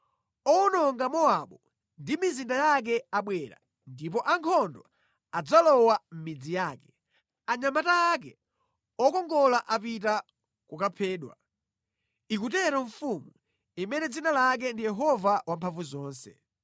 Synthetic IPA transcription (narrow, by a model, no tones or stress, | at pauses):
ɔnɔŋɡamɔaɓɔ | ndimizindajak̬ɛaɓwɛɾa̰ | ndip̬ɔʔaŋkʰɔndɔ | ad͡zalɔwam̩mid͡zijaːkɛ̥ | aɲamataːk̬ɛ | ɔkɔŋɡɔlaʔap̬ita | kukapʰɛːɗwa̰ | ikutɛɾɔɱ̩fumu | imɛnɛd͡zinalak̬ɛndijɛɦɔvawampʰaɱvuzɔːnsɛ̰